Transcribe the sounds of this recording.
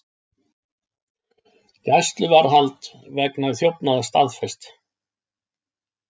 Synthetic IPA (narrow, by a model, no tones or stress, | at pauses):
jajst̪lʏvaɾɦalt̪vɛknaðɪθjowpnaðast̪aðfɛjst̪